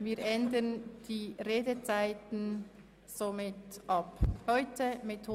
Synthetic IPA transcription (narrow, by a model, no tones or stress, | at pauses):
viːɾʔɛndənd̥iːʁeːdət͡saɪtn̩ | z̥omɪtʔɑphɔʏtʰəmɪthoː